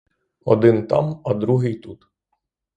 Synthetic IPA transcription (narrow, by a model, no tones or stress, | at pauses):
ɔd̪ɪnt̪a̰mɐd̪ɾuɦɪjt̪ut̪